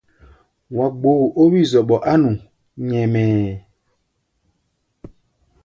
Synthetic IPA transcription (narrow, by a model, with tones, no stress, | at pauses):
wa˨ɡ͡bo˨ʔo˦wi˦˨zɔ˨ɓɔ˨ʔa˦nũ˨ | ɲɛ˨mɛː˨